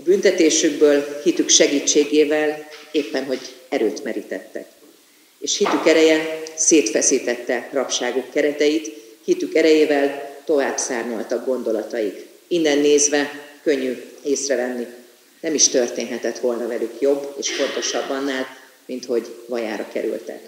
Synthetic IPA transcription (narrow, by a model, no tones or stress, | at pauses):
ɒbynt̪ɛt̪eːʃyɡ̚bøːlhit̪ykʃɛɡiːt͡ʃːeːɡeːvɛleːpːɛnɦo̞ɟɛɾøːt̪mɛɾit̪ɛt̪ːɛ̰k | eːʃhit̪ykɛɾɛjɛseːt̪fɛsiːt̪ɛt̪ːɛrɒpʃaːɡukːɛɾɛt̪ɛjit̪hit̪ykɛɾɛjeːvɛlt̪o̞vaːbsaːrɲolt̪ɒɡɡo̞nd̪o̞lɒt̪ɒjik | inːɛnːeːzvɛkø̞ɲːyeːsrɛvɛnːi | nɛmiʃt̪ø̞rt̪eːnɦɛt̪ɛt̪ʋo̞lnɒvɛlykjo̞bːeːʃfo̞nt̪o̞ʃɒbːɒnːaːl | mint̪ho̞ɟvɒjaːɾɒ̰kɛ̰ɾy̰lt̪ɛ̰k